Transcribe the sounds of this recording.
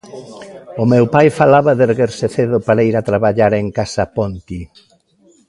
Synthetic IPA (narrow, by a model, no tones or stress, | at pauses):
ʊmewpajfalaβɐðeɾɣeɾseθeðʊpaɾaiɾat̪ɾaβaʎaɾeŋkasapɔnt̪i